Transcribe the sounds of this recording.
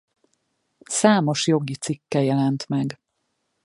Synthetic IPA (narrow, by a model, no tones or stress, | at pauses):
saːmo̞ʃjo̞ɡit̪sikːɛjɛlɛnt̪mɛɡ